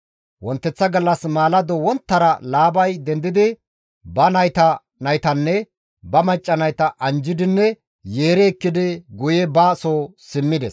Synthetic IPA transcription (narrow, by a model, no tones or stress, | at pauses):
wɔnt̪ːɛt͡sːɐɡɐlːɐsmaːlɐd̪ɔwɔnt̪ːɐɾɐlaːbɐjd̪ɛnd̪ɪd̪ɪ | bɐnɐjt̪ɐ | nɐjt̪ɐnːɛ | bɐmɐt͡ʃʼːɐnɐjt̪ɐʔɐnd͡ʒɪd̪ɪnːɛ | jeːɾɛːkːɪd̪ɪɡʊjɛbaːsoːsɪmːɪd̪ɛs